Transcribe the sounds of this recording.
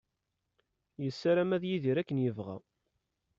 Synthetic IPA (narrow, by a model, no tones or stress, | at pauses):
jəsːaɾæmæðjiðiɾækːənjəvʁæ̰